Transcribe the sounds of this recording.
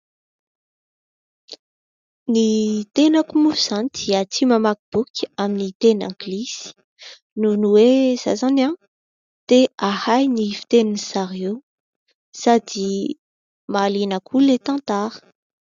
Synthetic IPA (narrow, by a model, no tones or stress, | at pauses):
nit̪enakumuz̥anid̪̥iət͡sʰimamakib̥ukʲʰəaminit̪enã̰ŋɡilisi̥ | nunuwez̥a̰zana | t̪eahajnifi̥t̪eninisaɾiew | sad̪i | malinakʰulet̪ãnt̪aɾə̥